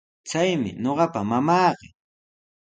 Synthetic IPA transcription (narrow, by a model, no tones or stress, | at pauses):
t͡sajmɪ̰ɲoɢɑpamamɑːɢɪ